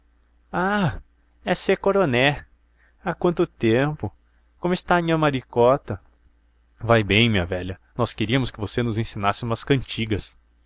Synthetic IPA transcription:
a | ɛsekoɾonɛ | akwɐ̃nt̪ʊt̪ẽmpʊ | kõmʊɪst̪aɲĩɲɐmaɾikɔt̪ɐ | vajbẽj̃mĩɲɐvɛlɐnɔskeɾiɐmʊskɪvosenʊzẽsĩnasɪũmɐskɐ̃nt͡ʃiɡɐs

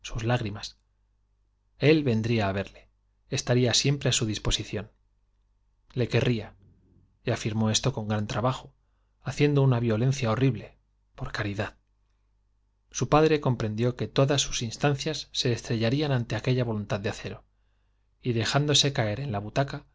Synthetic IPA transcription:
suzlaɣɾimas | e̞lβe̞nd̪ɾiaːβ̞e̞ɾle̞ | est̪aɾiasje̞mpɾe̞asuðispo̞siθjo̞n | le̞ke̞rʔia | iafiɾmo̞e̞st̪o̞ko̞ŋɡɾant̪ɾaβaxo̞ | aθje̞nd̪o̞unaβjo̞le̞nθjaoriβle̞ | poɾkaɾiðað | supaðɾe̞ko̞mpɾẽ̞nd̪jo̞ke̞t̪o̞ðasːu̥sinst̪anθjasːe̞ːst̪ɾe̞ʝaɾianant̪e̞ake̞ʎaβo̞lunt̪aðd̪eaθe̞ɾo̞ | iðe̞xand̪o̞se̞kae̞ɾe̞nlaβut̪aka

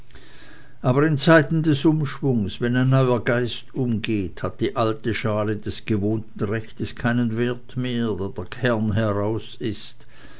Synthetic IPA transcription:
ʔaːbɐɪnt͡saɪtn̩dɛsʔʊmʃv̥ʊŋsv̥ɛnaɪnːɔʏɐɡaɪstʊmɡeːthat̚d̥iːʔaltəʃaːlədɛsɡ̥əvoːntn̩ʁɛçtəskʰaɪnənveɐtmeːɐdeːɐd̥eːɐkʰɛɐnɦɛʁaʊsɪst

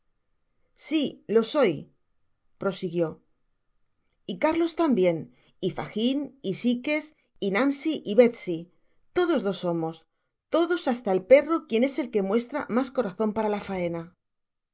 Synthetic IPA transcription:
silo̞so̞j | pɾo̞siɣjo̞ | ikaɾlo̞st̪ambje̞n | ifa̰xinisike̞s | inansiʔiβe̞t̪si | t̪o̞ð̞o̞zðo̞so̞mo̞s | t̪o̞ðo̞sast̪aelpe̞rokje̞ne̞se̞lke̞mwe̞st̪ɾamasko̞ɾaθo̞mpaɾalafae̞na

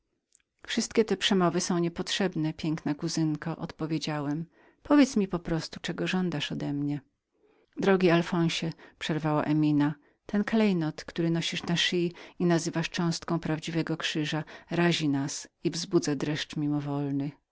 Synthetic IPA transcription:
fʂɘst̪kʲɛt̪ɛpʂɛmɔvɘsɔ̃w̃ɲɛpɔtʂɛbnɛpʲjɛŋknakuzɘŋkaʔɔ̰t̪pɔvʲjed͡ʑawɛm | pʰɔvʲjet̪smʲipɔpɾɔst̪u̥t͡ʂɛɡɔʐɔnd̪aʂɔd̪ɛmɲɛ | d̪ɾɔɡʲialfɔ̃w̃ɕɛpʂɛɾvawaʔɛmʲina | t̪ɛnklɛjnɔt̪kt̪uɾɘnɔɕiʂnaʂijinazɘvaʂt͡ʂɔ̃w̃st̪̚kɔ̃w̃pɾavd͡ʑivɛɡɔkʂɘʐaɾaʑinasivzbud̪zad̪ɾɛʂt͡ʂmʲimɔvɔlnɘ

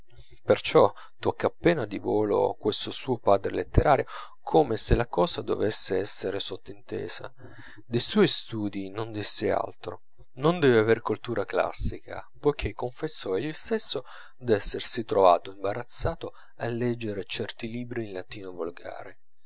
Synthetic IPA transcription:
pert͡ʃɔ | t̪ɔkːapːɛːnad̪ivoːlo̰a̰kwest̪osuːopaːd̪ɾelet̪ːeɾʔaːɾjo | kʰomeselakɔːzad̪o̰vesːeɛsːeɾesot̪ːint̪ɛ̰ːza̰ | d̪ejsɔist̪uːd̪inond̪isːea̰lt̪ɾo | nond̪ɛːveaveɾkult̪uːɾakla̰sːika̰pojkʰekːoɱfesːɔelust̪esːo | d̪ɛsːersit̪ɾova̰ːt̪oimbaɾat̪sːaːt̪o | alːɛd͡ʒːeɾet͡ʃɛrt̪iliːbɾiːnlat̪iːnovolɡa̰ːɾe

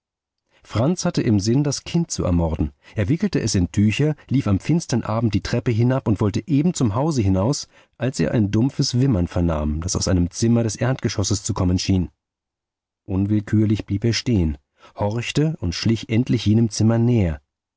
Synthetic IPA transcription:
fʁ̥ant͡shatəʔɪmzɪndaskʰɪnt̚t͡suɛ̰ɐmɔʁdn̩ʔeːɐvɪkl̩təʔɛsɪntʰyːçɐliːfamfɪnstɐnʔaːbm̩t̚d̥iːtʁ̥ɛpəɦɪnapʊntv̥ɔltəʔeːbm̩t͡sʊmɦaʊzəɦɪnaʊs | ʔalsʔḛːɐʔa̰ɪndʊmfəsv̥ɪmɐnfɛɐna̰ːmd̥asaʊsʔa̰ɪnəmt͡sɪmɐɾɛsʔɛɐntɡ̥əʃɔsəst͡sukʰɔmənʃiːn | ʔʊnvɪlkʰyːɐlɪçb̥liːpeːɐʃteːən | hɔʁçtəʔʊntʃlɪçʔɛntlɪçjeːnəmt͡sɪmɐnɛːɐ

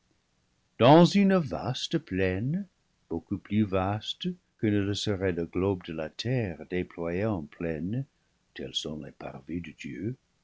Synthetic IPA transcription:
d̥ɑ̃zynva̰stəplɛn | b̥okuplyvast | kənələsəʁɛləɡlobdəlatʰɛʁdeplwajeɑ̃pʰlɛn | tʰɛlsɔ̰̃lepa̰ʁvidədjø

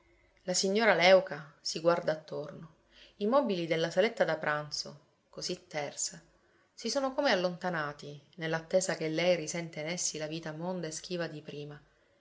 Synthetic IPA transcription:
lasiɲːoːɾalɛwkasiɡward̪aːt̪ːorno | imɔːbilid̪elːasalet̪ːad̪apɾʔant̪so̰ | kozit̪ːɛrsa | sisoːnokomealːont̪anaːt̪inelːat̪ːeːzakelːɛjɾisɛnt̪enɛsːilaviːt̪amond̪aesk̟iːvad̪ipɾiːma

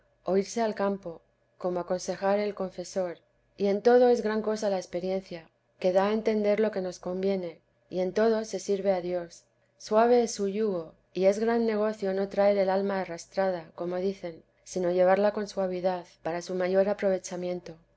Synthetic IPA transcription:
o̞iɾse̞alkampo̞ | ko̞mo̞ako̞nse̞xaɾe̞lko̞ɱfe̞so̞ɾ | ie̞nt̪o̞ð̞o̞e̞zɣɾaŋko̞salaespe̞ɾje̞nθja | ke̞ðae̞nt̪e̞nd̪e̞ɾlo̞ke̞no̞sko̞mbje̞ne̞ | ie̞nt̪o̞ðo̞se̞siɾβe̞aðjo̞sː | waβe̞esuʎuɣo̞ | ie̞zɣɾanːe̞ɣ̞o̞θjo̞no̞t̪ɾaeɾe̞lalmaːrast̪ɾaðako̞mo̞ðiθe̞n | sino̞ʝe̞β̞aɾlako̞nswaβ̞iðaθpaɾasumaʝo̞ɾapɾo̞β̞e̞t͡ʃamjẽ̞nt̪o̞

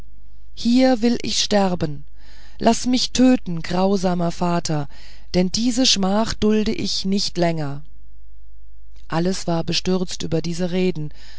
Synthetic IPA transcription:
hiːɐvɪlʔɪ̰çʃtɛʁbən | lʔasmɪçtʰøːtn̩ɡʁaʊzaːmɐfaːtʰɐ | d̥ɛndiːzəʃmaːχd̥ʊldəʔɪçnɪçtlɛŋɐ | ʔaləsv̥aːɐbəʃtʏʁt͡stʔyːbɐdiːzəʁeːdn̩

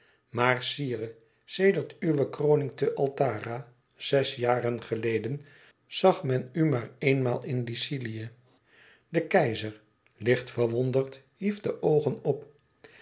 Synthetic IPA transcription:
maːrsiːrə | sejdəɹtyʋəkrownɪŋtəʔɑlˠtaːra | z̥ɛsjaːrənχəlejdən | z̥ɑχmɛnymaːɹejnmaːlˠɪnlisiliə | dəkɛjzəɹ | lɪχtfəɹʋɔndəɹt | ɦifdəʔowχənɔp

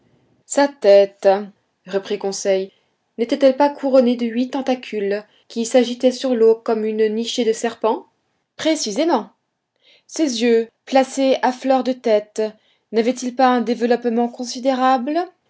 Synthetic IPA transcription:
sat̪ɛt̪ | ʁəpχikɔ̃sɛj | net̪ɛt̪ɛlpakʰuʁɔned̪əɥit̪ɑ̃t̪akʲʰyl | kʲisaʒit̪ɛsyʁlokɔmynniʃed̪əsɛʁpɑ̃ | pχesizemɑ̃ | sezjøplaseaflœʁd̪ət̪ɛt̪ | navɛt̪ilpaɛ̃d̪evəlɔpmɑ̃kɔ̃sid̪eʁabl

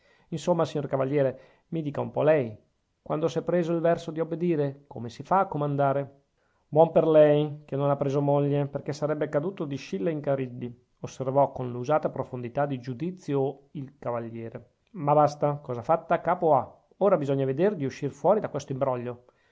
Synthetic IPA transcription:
insomːasiɲːorkavaʎːjɛːɾe | mid̪iːkaumpɔlɛj | kwʔand̪osɛpːɾeːzoilvɛrsod̪iobed̪iːɾeko̰mesifaːkːomand̪aːɾe | bwɔmperlɛjkenːonapːɾeːzomoʎːeperkesːaɾɛbːekad̪uːt̪od̪iʃilːeiŋkaɾid̪ːi | osːervɔkonluzaːt̪apɾofond̪it̪ad̪id͡ʒud̪it̪sːjoilkavaʎːɛːɾe | mabast̪akɔːzafat̪ːakaːpoa | oːɾabizɔɲːaved̪erd̪iuʃːirfwɔːɾid̪akwest̪oimbɾɔʎːo

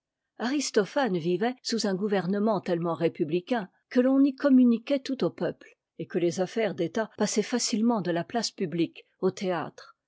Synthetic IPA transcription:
aʁist̪ɔfanvivɛsuzɛ̃ɡuvɛʁnəmɑ̃t̪ɛlmɑ̃ʁepyblikʲɛ̃ | kəlɔ̃nikɔmynikʲɛt̪ut̪opœpl | ekəlezafɛʁd̪et̪apasɛfasilmɑ̃d̪əlaplaspyblik | ot̪ea̰t̪χ

